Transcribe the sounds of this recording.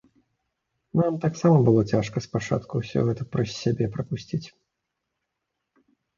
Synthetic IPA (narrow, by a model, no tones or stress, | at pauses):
namt̪aksamɐbɨlˠɔt͡sʲaʂkɐspat͡ʂa̰t̪kuwsʲɔ̰ɣɛt̪ɐpɾɐsʲːabʲɛpɾɐpusʲt͡sʲit͡sʲ